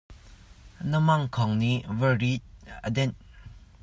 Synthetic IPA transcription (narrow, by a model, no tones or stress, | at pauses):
nəmaŋkʰɔŋnivəɾit̪̚əd̪ɛn